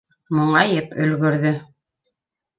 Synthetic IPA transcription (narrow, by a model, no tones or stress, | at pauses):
muɴɑjɘɤpɵ̆lɡɵ̆ɾðɵ